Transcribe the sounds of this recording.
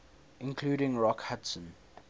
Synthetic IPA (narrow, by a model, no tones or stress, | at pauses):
ɪ̃nkʰluːɾɪ̃ŋɹɔkhatsə̃n